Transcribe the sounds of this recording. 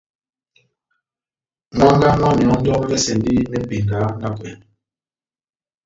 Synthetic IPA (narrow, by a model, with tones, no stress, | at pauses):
ŋʷa˦ŋɡa˦ŋa˦mjɔ˨˦n̩˦dɔ˦mɛ˦bɛ˦sɛ˨n˦di˦mɛ˦m̩˦bi˨ŋ˨ɡa˨˦na˦kwɛ˨n